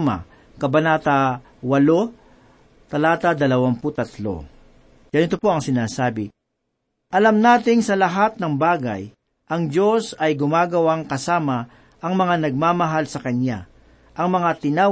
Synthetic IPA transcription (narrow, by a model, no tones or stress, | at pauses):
ma̰ | kɐbɐnaːt̪a | wɐlo | t̪ɐlaːt̪ad̪ɐlɐwaŋpʊt̪ɐt̪lo̞̰ | jɐnɪt̪o̞po̞ɐŋsɪnaːsaːbɪ | ʔɐlamnaːt̪ɪŋsɐlɐɦat̪̚nɐŋbaːɡa̰j | ʔɐŋd͡ʒo̞sɐjɡʊmaːɡɐwaŋkɐsaːmɐ | ʔɐŋmɐŋanɐɡ̚maːmɐɦalsɐkɐnja | ʔɐŋmɐŋat̪ɪna